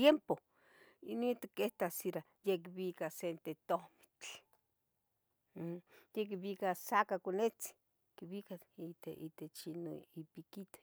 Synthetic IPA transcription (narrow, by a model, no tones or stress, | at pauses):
jempo | ḭnit̪ikeht̪asiɾa | jekβikasent̪et̪omi̥t͡ɬ | jek̬iβikasakakonet͡si̥ | kiβikait̪eʔit̪et͡ʃinoipikit̪e̥